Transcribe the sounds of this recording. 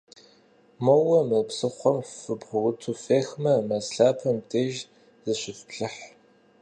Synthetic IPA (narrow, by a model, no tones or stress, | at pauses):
mowɐmɨpsɨχʷɔmfɨbʁʷʊwʊtʰufeːxmɐmɐsɬaːpʰɐmtʰeːʒ | zɨɕʷɪfpɬɨħ